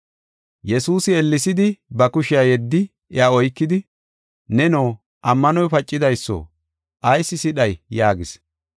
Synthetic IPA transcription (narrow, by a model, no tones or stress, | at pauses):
jɛsuːsɪɛlːɪsɪd̪ɪbɐkʊʃɪajɛd̪ːɪ | ɪaːɔjkːɪd̪ɪ | nɛnoː | ʔɐmːɐnɔjpɐt͡ʃʼːɪd̪ɐjsːo̰ | ʔɐjsːɪsɪɗɐjjaːɡɪs